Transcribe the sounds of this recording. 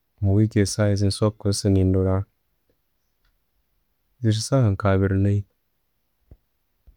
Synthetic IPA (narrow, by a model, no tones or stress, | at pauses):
muwikesajiz̬insokːunsɨŋindoɾa | zis̬isaaŋkaβiɾləi